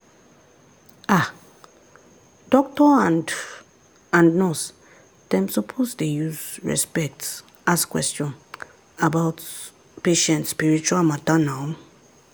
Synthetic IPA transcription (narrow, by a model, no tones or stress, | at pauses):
a | d̥ɔk̚tɔãnd | ãnnɔs | d̥ɛ̃msopʰosdejuzɹɛ̰spɛk̚t | askwɛ̰stjɔ̃n | abaʊt | peʃɛ̃ntspiɹit͡ʃualmatanam